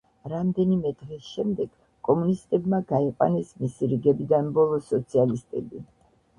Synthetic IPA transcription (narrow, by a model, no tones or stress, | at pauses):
ɾamd̪ɛnimɛd̪ʁɛsʃɛmd̪ɛɡ̥ | kʼɔmunist̪ʼɛbmaɡaiqʼwa̰nɛsmisiɾiɡɛbid̪anbɔlˠɔsɔt̪sʰialist̪ʼɛbi